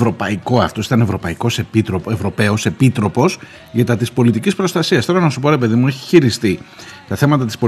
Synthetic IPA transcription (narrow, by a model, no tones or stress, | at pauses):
vɾo̞pɐiko̞ɐft̪o̞sit̪ɐne̞vɾo̞pɐiko̞se̞pit̪ɾopoevɾo̞pe̞o̞se̞pit̪ɾo̞po̞s | ʝɐt̪ɐt̪ispo̞lit̪icispɾo̞st̪ɐsiɐst̪o̞ɾɐnɐsupo̞ɾe̞pe̞ðimueçi̥çiɾist̪it̪ɐθe̞mɐt̪ɐt̪ispo̞